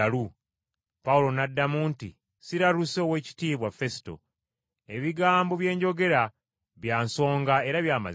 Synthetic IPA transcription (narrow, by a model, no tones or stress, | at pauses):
aɾu | paulo̞nadːamuːntḭ | siɾaɾuso̞ːwe̞ːci̥tiːβwafe̞si̥to̞̰ | e̞βiɡaːmbo̞βje̞ːɲɟo̞ɡe̞ɾa | βjaːnso̞ːŋɡae̞ɾaβjaːma̰